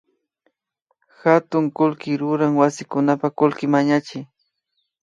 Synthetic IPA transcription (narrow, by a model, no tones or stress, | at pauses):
xat̪ʊŋkʊlkɪɾʊɾaŋwasɪkʊnapakʊlkɪmaɲat͡ʃɪj